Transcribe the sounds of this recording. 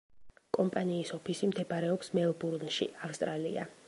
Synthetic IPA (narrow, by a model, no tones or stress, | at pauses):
kʼɔmpʼaniːsɔpʰisimd̪ɛbaɾɛɔpsmɛlˠbuɾnʃḭʔafst̪ʼɾalḭa̰